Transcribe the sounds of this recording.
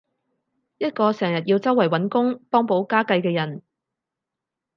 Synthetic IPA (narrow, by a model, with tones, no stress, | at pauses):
jɐ˥t̚kɔː˧sɛː˨˩ŋjɐ˨˩t̚jiː˧wt͡sɐ˥wːɐ˨˩jwɐ˨˥nkʊ˥ŋpɔː˥ŋpo˨˥wkaː˥kɐ˧jkɛː˧jɐ˨˩n